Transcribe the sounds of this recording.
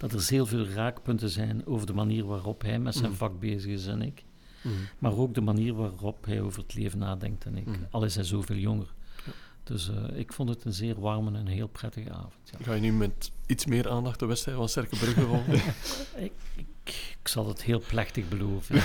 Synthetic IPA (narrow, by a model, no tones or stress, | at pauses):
d̥ɑtərzeːlˠveːlˠraːkpɵntəzɛjnoːvərdəmaniːrʋaːrɔpɦɛjmɛtsɛjnvɑɡ̚beːzəɣɪsɛnɪk | maːroːɡ̚dəmaniːrʋaːrɔpɦɛ̰joːvərətʰleːvənaːdɛ̰ŋk̚tɛnɪ̰kɑlˠɪsɦɛjzoːveːlˠjɔŋərd̥ɵsə̰ɪkfɔntɦətənzɪːrʋɑrmənɛnɦeːlˠprɛtəɣə̰a̰ːvɔntjaɣaːjənymɛtitsmɪːɾaːndɑxtəʋɛstrɛfɑnstɛrkəbrɵɣəvɑlˠ | ɪɪkksɑlˠdɑtheːlˠplɛxtəɣbəloːvən